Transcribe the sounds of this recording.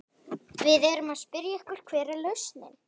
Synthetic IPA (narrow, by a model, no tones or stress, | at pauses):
vɪðɛɾʏmaðspɪɾjaɛhkʏɾ̥kʰvɛːɾɛlœɥsnɛ̰n